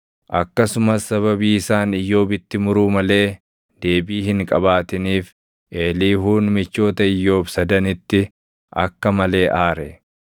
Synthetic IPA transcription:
ʔɐkːɐsʊmɐsːɐβɐbiːɪsaːnɪjːo̞ːbɪt̪ːɪmʊɾuːmɐle̞ː | d̪̥e̞ːbiːhɪŋkʼɐbaːt̪ɪniːf | ʔe̞ːliːɦuːnmɪt͡ʃːo̞ːt̪ɐɪjːo̞ːbsɐd̪ɐnɪt̪ːɪ | ʔɐkːɐmɐle̞ːʔaːɾɛ

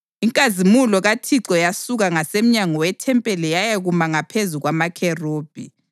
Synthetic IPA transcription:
iŋkʼazimulɔɣatʰiǀɔjasuɣaŋasem̩ɲaŋɔwɛtʰɛmpʼɛlɛjajeɣumaŋapʰezuɣwamakʰɛroːb̥ʱi

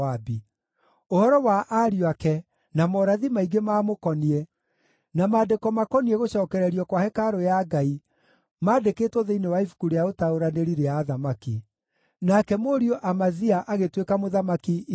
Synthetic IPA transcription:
abi | ohɔɾɔwaʔaɾijwakɛ | namɔɾaðimaiɡemaːmokɔniɛ | namaːdekɔmakɔniɛɣoɕɔːkɛɾɛɾiɔkwahɛkaɾojaɡai | maːdekeːtɔðeinewaifu̥kuɾejaotaoɾaneɾiɾeaðamaki | nakɛmoɾiɔʔamaziaʔaɣetwekamoðamaki

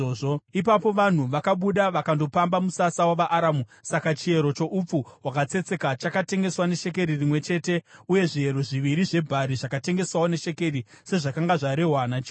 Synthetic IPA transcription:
oipapo̞ʋan̤uʋakaɓuɗaʋakando̞pambamusasawaʋaʔːɾamusakat͡ʃie̞ɾo̞t͡ʃo̞ʔup͡fuwakat͡se̞t͡se̞kat͡ʃakate̞ŋɡe̞swane̞ʃe̞k̬e̞ɾirimwe̞t͡ʃe̞ːte̞uje̞ʐie̞ɾo̞ʐiʋiɾiʐe̞bʱaɾiʐakate̞ŋɡe̞swawone̞ʃe̞ke̞rise̞ʐakaŋɡaʐaɾe̞ɦwanat͡ʃ

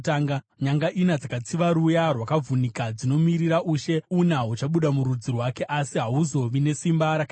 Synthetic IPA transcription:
taːŋɡ | ɲaŋɡaʔinad͡zakat͡siʋaɾujarwakavunikad͡zino̞miɾiɾaʔuːʃe̞unaɦut͡ʃaɓuɗamuɾud͡zirwake̞ʔasiɦaɦuzo̞ʋine̞simbaɾaka

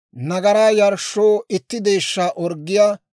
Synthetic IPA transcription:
nɐɡɐɾaːjɐɾʃːoːɪt̪ːɪd̪e̞ːʃːaːʔɔɾɡːɪjaː

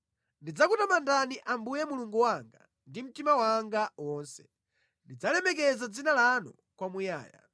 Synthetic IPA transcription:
ndid͡zakutamandaniʔambujɛmuluŋɡuwaŋɡa̰ | ndim̩timawaŋɡawɔːnsɛ̥̰ | ndid͡zalɛmɛk̬ɛzad͡zinalanɔ | kwamuja̰ːja̰

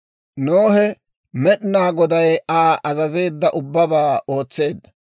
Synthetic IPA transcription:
noːhɛ | mɛɗnaːɡɔd̪ɐjaːʔɐzɐze̞ːd̪ːɐʔʊbːɐbaːo̞ːt͡sːe̞ːd̪ːɐ

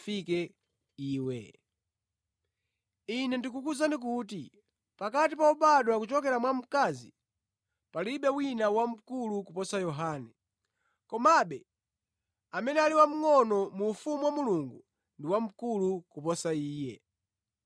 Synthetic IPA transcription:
fikɛ | iːwɛ̰ | inɛndikukuzanik̬uːt̬i | pakatipauɓaɗɔwakut͡ʃɔkɛɾamwam̩kazḭ | paliɓɛwinawam̩kulukupɔsajɔɦaːnɛ | kɔmaɓɛ | amɛnɛaliwam̩ŋɔnɔmuːfumuwamuluŋɡu | ndiwam̩kulukupɔsaiːjɛ̰

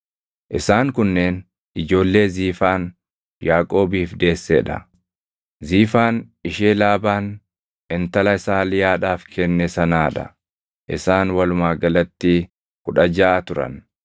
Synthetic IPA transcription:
ʔɪsaːŋkʊnːeːn | ʔɪd͡ʒo̞ːlːe̞ːziːfaːn | jaːkʼo̞ːbiːfd̪e̞ːsːḛːᶑɐ̰ | ziːfaːnɪʃeːlaːbaːn | ɛnt̪ɐlɐɪsaːlɪjaːᶑaːfkʰɛnːɛsɐnaːᶑɐ̰ | ʔɪsaːnwɐlʊmaːɡɐlɐt̪ːiː | kʊᶑɐd͡ʒaːt̪ʊɾɐ̰n

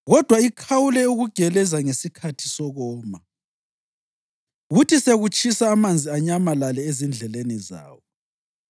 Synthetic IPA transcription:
ɣɔd̥ʱwaikʰawulɛuɣuɡ̥ʱɛlɛzaŋesikʰatʰi̥sɔɣɔːma | ɣutʰiseɣut͡ʃʰʼisaːmand͡zʱiaɲamalalɛezind͡ɮʱɛleniza̰ːwɔ

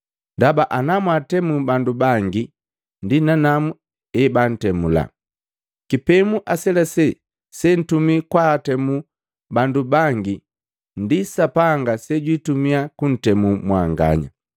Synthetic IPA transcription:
ndabaʔanamwatɛmubandubaŋɡi | ndinanamu | ɛban̩tɛmula̰ | kipɛmuʔasɛlasɛ | sɛn̩tumikwatɛmu | bandubaŋɡi | ndisapaŋɡasɛɟwitumiakun̩tɛmumwaŋɡa̰ɲa̰

